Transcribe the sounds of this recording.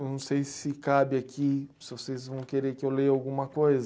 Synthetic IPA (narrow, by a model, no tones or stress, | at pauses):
nɐ̃w̃sejsɪkabɪakʰisɪvosezvɐ̃w̃keɾeakiewleɾawɡũmɐkojz